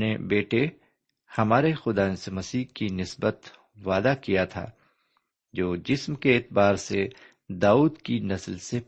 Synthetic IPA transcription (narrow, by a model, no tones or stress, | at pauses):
nebeːʈe | hɐmaːɾexʊd̪aːnsemɐsiːɦkinɪsbət̪ | ʋaːd̪akijat̪ʰa̰ː | d͡ʒoːd͡ʒɪsmkeːt̪baːɾse | d̪aːuːd̪kinɐslse